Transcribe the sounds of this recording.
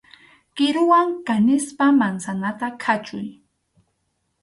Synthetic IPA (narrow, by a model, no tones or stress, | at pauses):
kɪɾʊwaŋkanɪspamansanat̪akʰat͡ʃʊj